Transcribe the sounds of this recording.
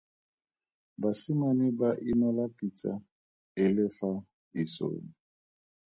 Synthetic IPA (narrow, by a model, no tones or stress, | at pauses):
basimonibaʔinɔlapʼitʼa̰ | ɪlɪfa | iso̰ːni